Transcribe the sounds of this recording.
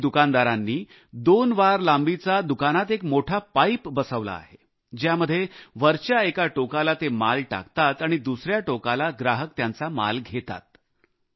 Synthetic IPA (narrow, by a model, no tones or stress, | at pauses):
d̪ukand̪aɾanːiː | d̪onʋaɾlambit͡sad̪ukanat̪ekmoʈʰapaipbəsəʋla̰ːɦe | d͡ʑjaməd̪ʱːjeʋəɾt͡ɕjaekaʈokalat̪emalʈa̰kt̪at̪aɽ̃id̪usɾjaʈokalaɡɾaɦək̚t̪jant͡sama̰lɡʱet̪a̰t̪